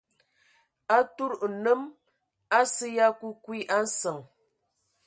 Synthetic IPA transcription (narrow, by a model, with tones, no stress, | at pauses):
a˦tu˦ɾnə˦m | a˦sə˦ja˦ku˦kwi˦ʔa˦n̩˦sə˨ŋ